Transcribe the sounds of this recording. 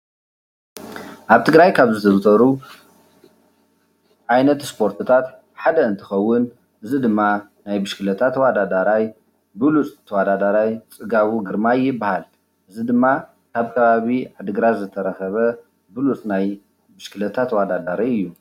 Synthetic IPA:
ʔaβt̪ʰɨɡɾajkʰaβzɨt̪ʰɐzɨt̪ʰɐɾu | ʔajnɐt̪spʰo̞ɾt̪ʰɨt̪ʰat̪ | ħad̪ɐɨnt̪ʰɨ̥xɐwːʊn | ʔɨzid̪ɨmːa | najbɨʃkɨlɐt̪ʰat̪wad̪ad̪aɾaj | bɨlut͡sʼt̪ʰɐwad̪ad̪aɾajt͡sʼɨɡaβuɡɨɾmajːɪbːahal | ʔɨzid̪ɨmːa | kʰaβkʰɐβaβiʕad̪ɨɡɾazɨt̪ʰɐɾɐxɐβɐ | bɨlut͡sʼnaj | bɨʃkʰɨlɐt̪ʰat̪wad̪ad̪aɾajɨjːu

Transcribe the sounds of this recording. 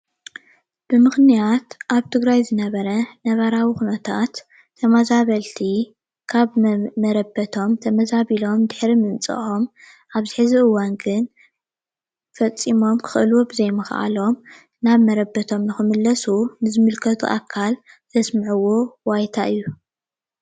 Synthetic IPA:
b̥ɨmɨxnijat̪ʔaβt̪ʰɨɡɾajzɨnɐβɐɾɐnɐβɐɾawixunɐt̪ʰat̪ʰː | ɐmazaβɐlt̪ʰi | kʰaβmɐɾɐbɐt̪ʰo̞mt̪ʰɐmɐzaβilo̞md̪ɨħɾimɨnt͡sʼɨ̰ʔo̞m | ʔaβzɨħɨziʔɨwanɡɨn | fɐt͡sʼimo̞mkʰɨ̥xʔɨluwobɨzɐjmɨxʔa̰lo̞m | naβmɐɾɐbːɐt̪ʰo̞mnɨxɨmɨlːɐsunɨzɨmɨlkʰɐt̪ʰṵʔa̰kʰːal | z̥ɐsmɨʕuwowajt̪ʰaʔɨjːu

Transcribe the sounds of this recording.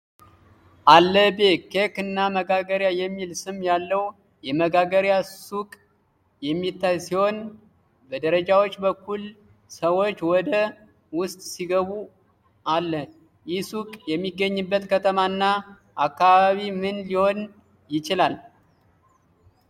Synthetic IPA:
ʔalːəbekekɨnːaməɡaɡəɾjajɛmːilsɨmjalːəw | jɛməɡaɡəɾjasukʼ | jɛmːit̪ːajsiho̞n | bəd̪əɾəd͡ʒawo̞t͡ʃːbəkːul | səwo̞t͡ʃːwɔd̪ə | wʊst̪ʼsiɡəβu | ʔalːə | jɪsukʼjɛmːiɡːəɲːɨbːət̪kʰət̪ʰəmanːa | ʔakːaβaβimɨnliho̞n | jɪt͡ʃɪlal

